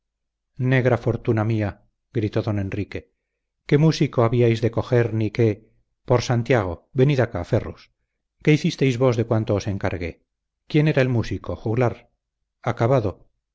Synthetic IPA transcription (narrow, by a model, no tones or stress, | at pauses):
ne̞ɣɾafo̞ɾt̪unamia | ɡɾit̪o̞ðo̞ne̞nrike̞ | ke̞musikoaβiajzðe̞ko̞xe̞ɾnike̞ | po̞ɾsant̪jaɣ̞o̞βe̞niðakafe̞rus | ke̞iθist̪ejzβo̞zðe̞kwant̪o̞ose̞ŋka̰ɾɣe̞̰ | kje̞ne̞ɾaelmusikʰo̞xuɣlaɾ | akaβaðo̞